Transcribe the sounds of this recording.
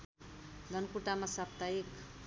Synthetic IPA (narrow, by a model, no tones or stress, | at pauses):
ɡ̪ʌnkuʈamasap̚t̪aek